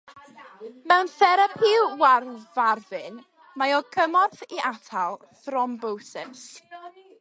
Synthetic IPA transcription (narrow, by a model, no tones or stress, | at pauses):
mɛwnθɛɾəpʰiwwarvarvɪn | majɔɡəmɔrθiʔatʰalˠ | θrɔmbowsɛs